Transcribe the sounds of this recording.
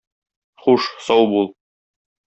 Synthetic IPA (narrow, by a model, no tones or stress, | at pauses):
χuʃsɒwbulˠ